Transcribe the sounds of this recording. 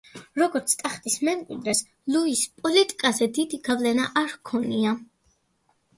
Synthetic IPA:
ɾɔɡɔɾt̪sʰt̪ʼaχt̪ʼismɛmkʼḭd̪ɾɛs | luispʼɔlit̪ʼi̥kʼazɛd̪id̪iɡavlɛnaʔaɾkʰɔnia

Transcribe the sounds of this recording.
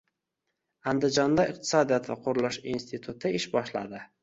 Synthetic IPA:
and̪ɪd͡ʒɒnd̪aɪq̚t̪ʰɪ̥sɒd̪ijɒt̪vaqʰʊɾlˠɪʃinst̪ʰɪt̪ʰut̪ʰɪɪʃbɒʃla̰d̪ɪ

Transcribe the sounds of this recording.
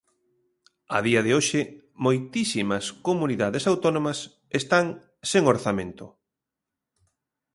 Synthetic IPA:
ɐ̰ðiɐðɪoʃɪ | mojt̪isimɐskomuniðaðesawt̪ɔnõmɐs | est̪aŋ | seŋoɾθamẽnt̪ʊ̰

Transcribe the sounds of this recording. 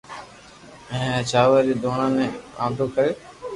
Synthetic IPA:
ɛ̃ːt͡ʃaːʋaːɾiːd̪oːɳãːnẽːã̰ːnd̪ʱoːkʰəɾeː

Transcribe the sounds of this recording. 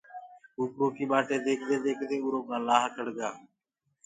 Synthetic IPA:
uːkɾõːkiːɓaːʈeːd̪eːkʰd̪eːd̪eːkʰd̪eːʊɾoːɡãːlaːɦkəɽɡaː

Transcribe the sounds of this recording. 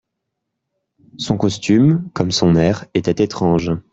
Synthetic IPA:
sɔ̃kɔst̪ymkɔmsɔ̃nɛʁet̪ɛt̪et̪χɑ̃ʒ

